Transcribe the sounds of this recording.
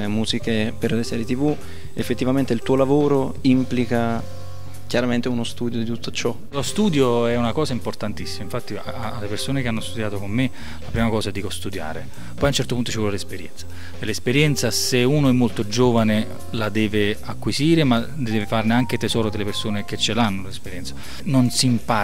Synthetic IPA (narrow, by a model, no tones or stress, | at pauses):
muːzikeperlesɛːɾjet̪ivu | efːet̪ːivament̪eilt̪uːolavoːɾo | implika | kjaɾament̪eunost̪uːd̪jod̪it̪ut̪ːo̥t͡ʃɔ | lost̪uːd̪joɛunakɔːzaimport̪ant̪isːimaiɱfat̪ːiaaːlːepersoːnekeanːost̪ud̪jaːt̪okomːe | lapɾiːmakɔːzaɛd̪ːiːkost̪ud̪ja̰ːɾe | pɔjaunt͡ʃɛrt̪opunt̪o̥t͡ʃivɔlːelespeɾjɛ̰nt̪sḁ | ɛlespeɾjɛnt̪saseuːnoɛmːolt̪od͡ʒoːvane | lad̪ɛːveakːwiziːɾema | d̪ɛɛːvefarneaŋket̪ezɔːɾod̪elːepersoːneket͡ʃːelanːolespeɾjɛnt̪sḁ | nonsimpa